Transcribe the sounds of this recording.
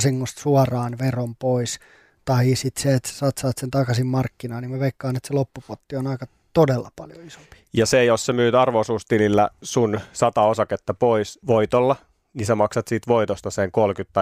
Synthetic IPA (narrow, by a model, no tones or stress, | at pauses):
siŋːost̪suɑrɑːnʋerompois | t̪ɑisit̪seet̪se̥sɑːt̪sɑːt̪sent̪ɑkɑsimmɑrkːinɑːnimæʋeikːɑːnet̪selopːupot̪ːionɑikɑ | t̪odelːɑ̰pɑljo̰iso̥mpi̥jɑsejossemyːt̪ɑrʋosuːst̪ililːæ̰sunsɑt̪ɑosɑket̪ːɑpoisʋoit̪olːɑ | nisemɑksɑt̪siːt̪ʋoit̪ost̪ɑseŋkolkyt̪ːɑ